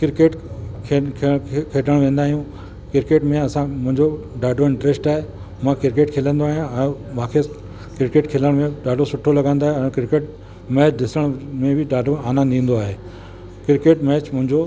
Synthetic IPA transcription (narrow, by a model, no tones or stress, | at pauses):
kɪɾkeːʈkʰekʰekʰeːɖəɽ̃ʋẽːnd̪aːɦijũ | kɪɾkeːʈmẽɐsãmʊ̃ɦɪ̃ɲd͡ʑo | ɖaːɖoɪ̃ɳʈɾesʈaːɦe | mãkɪɾkeːʈkʰeːlə̃nd̪oaːɦijãɛ̃ːmãːkʰe | kɪɾɪkeːʈkʰeːləɽ̃mẽɖaːɖʱosʊʈʰolɐɡãːnd̪aːɦeɛ̃ːkɪɾɪkeːʈ̚ | mɛːt͡ɕd̪ɪsəɽ̃mẽbɪɖaːɖoaːnãd̪ĩːn̆d̪oaːɦeː | kɪɾkeːʈmɛːt͡ɕmʊ̃ɦɪ̃ɲd͡ʑo